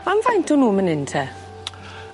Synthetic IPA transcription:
anvajntʰɔnuːmənɪntʰɛ

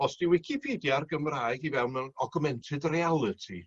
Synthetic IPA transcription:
ɔsd̥iwɪkʰipʰidjarɡəmraːjɡivɛlˠnmɛnɔɡʊmɛntʰɨdrialˠɨtʰi

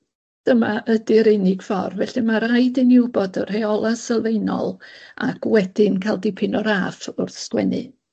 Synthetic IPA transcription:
d̥əmaʔədɪɾɪnɪɡ̥fɔ̰rvɛɬɨmaɾajdɪnɪwbɔdər̥hɛɔlˠasɛlˠvejnɔ̰lˠa̰kwɛd̥ɪnkʰalˠdɪpʰɪnɔɾafʊrθskwɛ̰nɨ̰

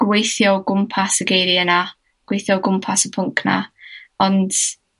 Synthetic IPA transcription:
ɡ̥wejθjɔɡʊmpʰasəɡejɾiəna | ɡ̥wejθjɔɡʊmpʰasəpʰʊŋkʰna̰ɔnd̥

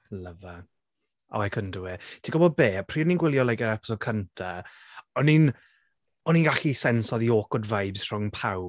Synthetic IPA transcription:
ləva | ɔ̰ɛkʰəndʊwɛtʰiɡɔbɔd̚beːpʰriːninɡwɪlˠjɔlˠɛɡɛɾɛpɪ̥sɔkʰəntʰa | ɔnin | ɔninɡaɬisɛnsɔðioːkɔdvajbz̥r̥ʊŋpʰaw

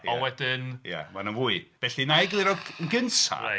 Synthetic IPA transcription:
ɔwɛdɪnja̰manənvuːɨb̥ɛɬinajɡlˠiɾɔənɡənsa̰

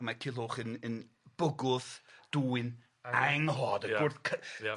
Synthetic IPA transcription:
makʰɪlˠoχənən | b̥ʊɡʊðd̥uːɪn | aŋhɔːdəɡʊrθkʰə

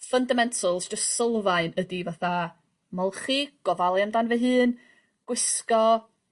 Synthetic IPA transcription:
fəndamɛntʰəlˠsd͡ʒəstsəlˠvaɨnədivaθa | mɔlˠχiɡ̥ɔvalˠjamdanvɛɦɨːn | ɡ̥wɪskɔ

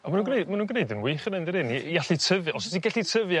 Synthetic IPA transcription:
ɔmanuːnɡnejdmanunɡnejdənwɨχənɛndəɾɪniaɬitʰəvjaɔsɔtʰiɡɛɬitʰəvja

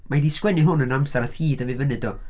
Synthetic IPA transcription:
madiskwɛnɪɦʊnənamsaɾaθhiːdəvɪvənɪdɔ

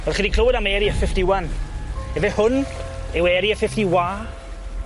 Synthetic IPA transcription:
vɛlχindikʰləwɪdamɛɾiəfɪfdɪwanɛvɛhʊnɛwɛɾiəfɪftiwaː

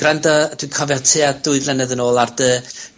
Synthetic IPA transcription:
ɡ̥rɛndɔd̥wikʰɔvɛtʰɨadʊɨðlɛnəðənoːlˠardə

